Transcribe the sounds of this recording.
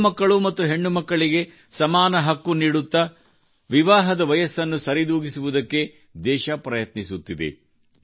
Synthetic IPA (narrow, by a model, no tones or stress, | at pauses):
mɐkːɐɭumɐt̪ːuɦe̞ɳːumɐkːɐɭiɡe̞ | sɐmaːnɐɦɐkːuniːɽut̪ːɐ | ʋiʋaːɦɐd̪ɐʋɐjɐsːɐnːusɐɾid̪uːɡisuʋud̪ɐkːe̞ | d̪ɛːʃɐpɾɐjɐt̪nisut̪ːid̪ḛ